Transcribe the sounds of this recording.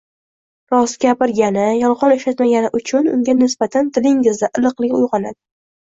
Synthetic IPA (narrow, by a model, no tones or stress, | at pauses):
ɾɒsɡʲapɪɾɡʲanɪjɒlˠʁɒneʃat̪maɡʲanɪʔʊt͡ʃʰʊnʊ̰ŋɡʲanɪsb̥at̪ʰant̪ʰɪlɪŋɪzd̪aʔɪlˠɨqlˠɪkʲʊjʁɒnad̪ɪ